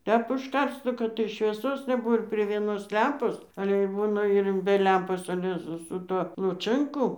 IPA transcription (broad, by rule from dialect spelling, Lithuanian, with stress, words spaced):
ˈtʲɛp ʊʃˈkɐrs ˈnʊ kɐt tɐɪ ʃʲʋʲiɛˈsoːs nʲɛˈbʊʋoː ɪr pʲrʲiɛ ʋʲiɛˈnoːs ˈlʲɛmpoːs ɐlʲɛ ɪr ˈbuːnɐ ɪr bʲɛ ˈlʲɛmpoːs ɐˈlʲɛ sʊ sʊ ˈtuɔ lˠʊˈt͡ʃɜŋkʊ